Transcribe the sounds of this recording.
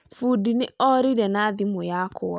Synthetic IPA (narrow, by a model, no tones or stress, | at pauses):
fudinɪɔɾiɾɛnaðimʊjakoɔ